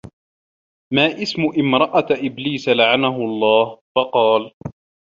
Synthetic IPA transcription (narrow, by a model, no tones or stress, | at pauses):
maːʔɪsmʊʔɪmɾˤɑʔaʔɪbliːsalaʕanaɦʊɑlˤːɑːhfɑqɑːl